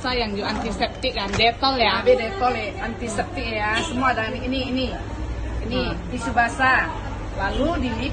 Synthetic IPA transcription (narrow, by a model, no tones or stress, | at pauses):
sajaŋd͡ʒoant̪isɛp̚t̪ik̚kandɛt̪ɔljabɛdɛt̪ɔlɛant̪isɛp̚t̪ikjasəmuad̪aniːniːni | inidisubasa | laludili